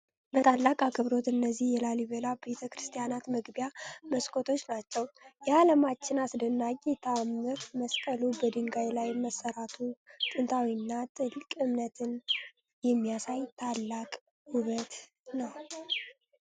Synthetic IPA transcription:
bət̪ʰalːakʼakʰɨβɾo̞t̪ɨnːəzːihjɛlaliβəlabet̪ʰəkɾɨst̪ʰijanat̪mɨɡbjaməskʰʼot̪ʰo̞t͡ʃːnat͡ʃːɛwjɛaləmat͡ʃːɪnasd̪ɨnːaɡet̪ʰamːɨɾməsk̪ʼəlubəd̪ɨŋɡajlajməsːəɾat̪ʰut̪ʼɨnt̪ʰawiɨnːat̪ʼɨlkʼɨmnət̪ʰɨn | jɛmːijasajt̪ʰalːakʼ | huβət̪ | nəw

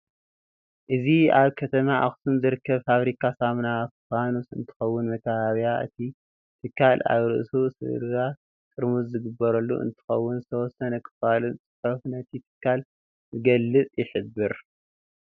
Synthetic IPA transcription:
ʔɨziaβkʰɐt̪ʰɐmaʔa̰xsunzɨɾɨkʰːɐβfaβɾikʰasamnafanusɨ̰nt̪ʰɨ̥xɐwːʊnmɐkʰaβaβijaʔɨ̰t̪ʰi | t̪ʰɨkːala̰βɾɨ̰ʔsusɨ̰ɾɨɾa | kʼɨɾmuzzɨɡɨbːɐɾɐlːṵʔɨ̰nt̪ʰɨ̥xɐwːʊnzɨt̪ʰɐwɔsɐnɐkʰɨ̥falunt͡sʼɨ̥ħofnɐt̪ʰit̪ʰɨ̥kʰːal | zɨɡɐlːɨt͡sʼjɪħɨbːɨɾ

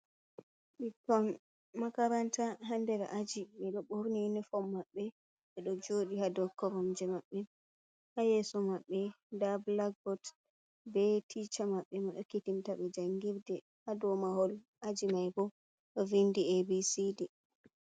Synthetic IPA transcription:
ɓitɔnː | akaɾantaɦandɛɾ̰ʔad͡ʒiɓɛɗɔɓoɾninifɔmːaɓːɛ | ɓɛɗɔd͡ʒoɗihadɔkːɔɾɔmd͡ʒɛmaɓːɛ | hajɛsɔmaɓːɛ | dablaɡ̚bɔt | bɛtʰit͡ʃamaɓːɛmaɗɔkitintaɓɛd͡ʒaŋɡiɾdɛ | hadɔmahɔl | ʔad͡ʒimajbɔ | ɗɔvindiebisidɛ

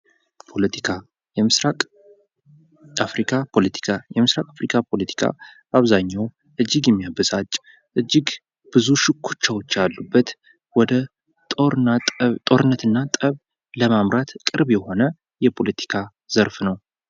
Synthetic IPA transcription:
pʰolət̪ʰikʰa | jɛmɨɾakʼ | afɾikʰapʰo̞lət̪ʰi̥kʰajɛmɨsɾakʼafɾikʰapʰo̞lət̪ʰi̥kʰa̰ | ʔaβzaɲːaw | ʔɨd͡ʒːɪɡjɛmːijabəzat͡ʃʼ | ʔɨd͡ʒːɪɡ | b̥ɨzuʃɪkʰːut͡ʃːawot͡ʃːalːubːət̪ | wɔd̪ə | t̪ʼoɾat̪ʼo̞ɾɨnːət̪ɨnːat̪ʼəβ | ləmamɾat̪kʼɨɾbjɛho̞nə | jɛpʰo̞lət̪ʰi̥kʰa | z̥əɾfnəw

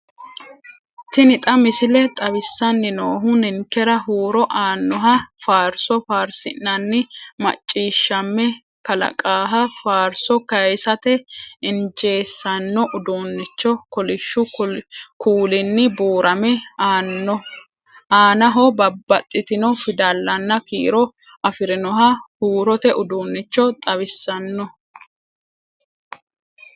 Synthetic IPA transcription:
t̪ɪnɪt̪ʼɐmɪsɪlɛt̪ʼɐβɪsːɐnːɪnoːɦʊnɪŋkɛɾɐɦuːɾɔʔaːnːɔɦɐfaːɾsɔfaːɾsɪnːɐnːɪmɐ̰t͡ʃʼːiːʃːɐmːɛ | kɐlɐ̰kʼaːɦɐfaːɾsɔkɐjsɐt̪ɛɪnd͡ʒe̞ːsːɐnːɔʔʊd̪oːnːɪt͡ʃːɔkɔlɪʃːʊ | kʰuːlɪnːɪboːɾʔɐmɛaːnːɔ | aːnɐɦɔbɐbːɐt̪ʼːɪt̪ɪnɔfɪd̪ɐlːɐnːɐkḭːɾɔ | ɐfɪɾɪnɔɦɐhuːɾɔt̪ɛʔʊd̪uːnːɪt͡ʃːɔt̪ʼɐβɪsːɐnːɔ

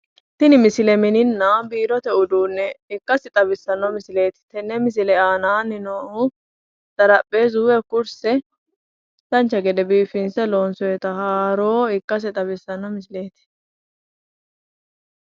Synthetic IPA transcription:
t̪ɪnɪmɪsɪlɛmɪnɪnːabiːɾɔt̪ɛʊd̪uːnːɛɪkːɐsɪt̪ʼɐbɪsːɐnːɔmɪsɪle̞ːt̪ɪ̥t̪ɛnːɛmɪs̬ɪlɛaːnaːnɪnoʊ | d̪̥ɐɾɐpʼːe̞ːzuːwɛkʊɾsɛ | d̪ɐnt͡ʃːɐɡɛd̪ɛbiːfɪnsɛlo̞ːnsɔjɛt̪ɐhaːɾo̞ːɪkːɐs̬ɪt̪ʼɐbɪsːɐnːɔmɪsɪle̞ːt̪ɪ̥

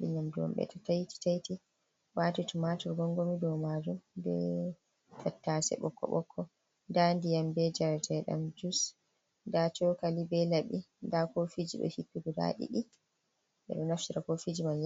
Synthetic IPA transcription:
ɗḭɲamduwɔ̰mɓɛ̰tʰatajti̥tajti | waːtitumatɔɾɡɔŋɡomidɔmad͡ʒumbɛ̰ | tʰatːasɛ̰ɓɔ̰kʰːɔ̰ɓɔkʰːɔ | ndandijambɛd͡ʒaɾatɛɗa̰md͡ʒus | ndat͡ʃɔkalibɛlaɓindakofid͡ʒḭɗɔ̰hipːiɡɔda̰ɗḭɗi | ɓɛ̰ɗɔnaftiɾakofid͡ʒimanj

